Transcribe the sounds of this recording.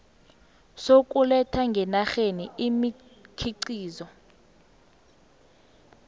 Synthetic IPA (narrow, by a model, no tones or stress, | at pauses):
sokʼulɛtʰaŋɡʱɛnaxeniimikʰiǀiːzɔ